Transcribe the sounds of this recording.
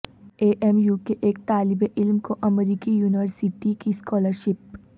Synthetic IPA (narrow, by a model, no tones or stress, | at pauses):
eːʔɛmjuːkeʔeːk̚t̪aːlɪbeʔɪlmkoʔɐmɾiːkijuːnɪʋəɾsɪʈikiskɔːləɾʃɪp